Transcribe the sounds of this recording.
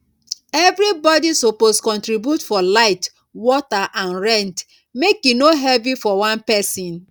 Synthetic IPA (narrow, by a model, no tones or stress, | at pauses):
ɛvɾibɔdisoposkɔ̃ntɾibjutfɔlaɪt | wɔtaʔãnɹɛ̃nt | mekjunoɦɛvifɔwãnpɛsĩn